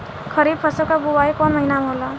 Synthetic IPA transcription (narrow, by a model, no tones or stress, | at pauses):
kʰʌɾib̚pʰʌsokaɡuwajkɔnmʌɦinamɦola